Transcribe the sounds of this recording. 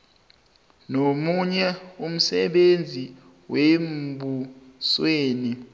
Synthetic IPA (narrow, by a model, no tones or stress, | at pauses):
nomuɲɛum̩sɛɓend͡zʱi | wembʱusweːni